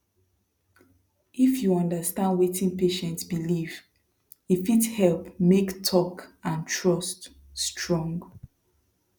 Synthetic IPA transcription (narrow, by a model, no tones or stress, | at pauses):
ʔifjuɔ̃ndəstãndwetʰĩnpeʃɛ̃ntsbiliv | ifithɛlpmektʰɔkãntʰɹʌst | stʰɹɔ̃ŋɡ